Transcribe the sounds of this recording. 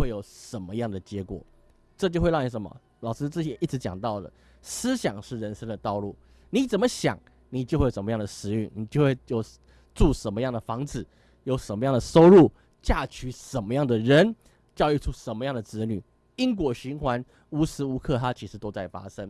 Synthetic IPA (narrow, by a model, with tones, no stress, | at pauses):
we˥˩ɪjo˨˩ʊʂə˨˩nmə˧jɑ˥˩ŋd̪ə˩t͡ɕjɛ˧˥kwɔ̰˨˩ | ʈ͡ʂɤ˥˧t͡ɕjo˥˧ʊxwe˥˧ɪɑ˥˩ni˧˩ʂə˨˩˦mə̰˧ | lɑ˨ʊʂɻ̩˥t͡s̩˥˩t͡ɕjɛ˨˦ʔi˥˩ʈ͡ʂ̩˧˥t͡ɕjɑ̰˨˩ŋt̪ɑ˥˩ʊd̪ə̰˩ | sɹ̩˥ɕjɑ˨˩ŋʂɻ̩˥˩ɻə˧˥nʂə˥ŋd̪ə˨t̪ɑ˥˧ʊlu˥˩ | ni˨˩t͡sə˨˩nmə˦ɕjɑ̰˨˩˦ŋ | ni˨˩t͡ɕjxwe˥˩˨ʂə˩m˧˦jɑ˥˩ŋd̪ə˩ʂɻ̩˧˥y̰˥˩ŋni˨˩t͡ɕjo˥˧ʊxwe˥˧ɪjo˨˩ʊ | ʈ͡ʂu˥˩ʂə˧˥nmə˧˦jɑ˥˩ŋd̪ə˩fɑ˧˥ŋd͡zɹ̩˨˩˦ | jo˨˧˩ʊʂə˧˥nmə˧˦jɑ˥˩ŋd̪ə˩so˥ʊɻu˥˩ | t͡ɕja˥˩t͡ɕʰy˧˥ʂə˨˩nmə˧˦jɑ˥˩ŋd̪ə˩ɻə˧˥n | t͡ɕjɑ˥˧ʊy˥˧ʈ͡ʂʰu˦˥ʂə˧˥nmə˧jɑ˥˩ŋd̪ə˩ʈ͡ʂɻ̩˧˥ny˨˩ | i˦˥ŋk̬wɔ˨˩ɕy˧˥nxwa˧˥n | u˥sɹ̩˥u˧˥kʰɤ˥˨˩t̪ʰa˥t͡ɕʰi˧˥ʂɻ̩˧˥t̪o˥ʊt͡sa˥˩ɪfa̰˥ʂə˦˥ŋ